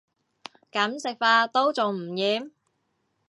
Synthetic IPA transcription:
kɐ˨˥msɪ˨k̚faː˧t̪o˥wt͡sʊ˨ŋm̩˨˩jiː˨˥m

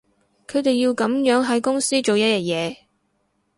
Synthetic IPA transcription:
kʰɵ˨˧ɥt̪e˨jːi˧wkɐ˨˥mjœː˨˥ŋɦɐ˨˧˥jkʊ˥ŋsiː˥t͡ʃo˨wjɐ˥t̚jɐ˧˩t̚jɛː˨˧

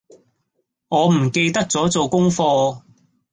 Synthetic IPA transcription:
ŋɔː˨˧m̩˨˩ke˧jt̪ɐ˥k̚t͡sɔː˨˥t͡so˨wkʊ˥ŋfɔː˧

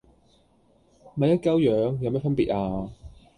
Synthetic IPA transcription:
mɐ˨jɐ˥t̚kɐ˥wjœː˨˧ŋjɐ˨˧mɛː˥fɐ˥npiː˨t̚ʔaː˧

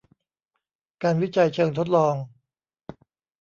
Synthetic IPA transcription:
kaː˧nwi˦˥t͡ɕa˧jt͡ɕʰɤː˧ŋt̪ʰo˦˥t̪̚lɔː˧ŋ

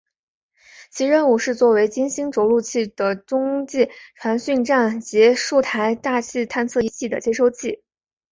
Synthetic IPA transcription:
t͡ɕʰi˧˥ɻə˥nu˨˩ʂɻ̩˥˧t͡swɔ˥˩we˧˥ɪt͡ɕi˥nɕi˥ŋʈ͡ʂo˧˥ʊlu˥˧t͡ɕʰi˥˩d̪ə˩ʈ͡ʂʊ˥ŋt͡ɕi˥˩ʈ͡ʂʰwa˧˥nɕy˥˧ŋʈ͡ʂa˥˩nt͡ɕɛ˧˥ʂu˥˩t̪ʰa˧˥ɪt̪a˥˧t͡ɕʰi˥˧t̪ʰa˥˧nt͡sʰɤ˥˩i˧˥t͡ɕʰi˥˩d̪ə̰˩t͡ɕjɛ˥ʂo˥˧ʊt͡ɕʰi˥˩

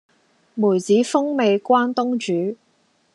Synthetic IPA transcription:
muː˨˩jt͡siː˨˥fʊ˥ŋme˨˧jkʷwaː˥nt̪ʊ˥ŋt͡ʃyː˨˥

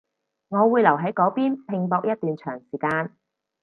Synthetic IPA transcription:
ŋɔː˨˧wuː˨˧jlɐ˨˩wɦɐ˨˥jkɔː˨˥piː˥npʰɪ˧ŋpɔː˧k̚jɐ˥t̚t̪yː˨nt͡ʃʰœː˨˩ŋsiː˨˩kaː˧n

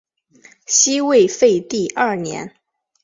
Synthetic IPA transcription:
ɕi˥we˥˧ɪfe˥˧ɪt̪i˥˧ʔɐ˥˩njɛ̰˧˥n

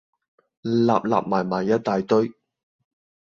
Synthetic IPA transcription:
la̰ː˨p̚la̰ː˨p̚maː˨˩jmaː˨˩jːɐ˥t̚t̪aː˨jt̪ɵ˥ɥ

